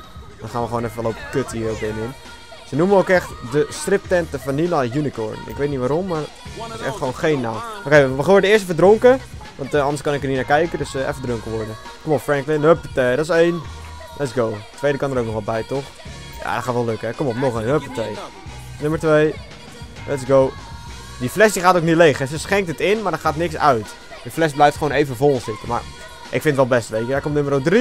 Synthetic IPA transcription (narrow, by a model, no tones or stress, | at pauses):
d̥ɔnχaːnʋəxəʋoːnɛfəʋɛlˠopəkøthiːowkɪnɪn | sənuməowkɛχtdəstrɪp̚tɛntəfɔnːinajunikɔ̰ɹnɪ̰kʋejtnitʋaːɾɔmːaɹ | tɪsɛ̰χtχəʋownχejnːawʔokeʋəχoːdədəɪːəstəfədroŋkə | ʋɑntɑndəskɑnɪkərninaːkɛjkədøsɛ̰fədrøŋkəʋɔɹdə | komɔpfrɛŋklɪnøpətɛdɔtɪseːn | lʔɛtsɡowtʋejdəkɑndəɾowk̚nɔχʋɛlˠbɛjtɔχ | ja̰ːdɔtχaːtəʋɛlˠøkəɛkomɔpnɔχəøpətʋej | nøməɹtʋej | lʔɛtsɡow | diflɛsdiχaːtowk̚nitlejχɦɛsəsχɛŋk̚tətɪnmaːɹdəχaːtnɪksœ̰ɥt | dəflɛsblɛjftχʋownejvəvolˠsɪtəma̰ːr | ʔɪkfɪntʋɛlˠbɛstəʋejkədaːɹkomtnɵməɾodri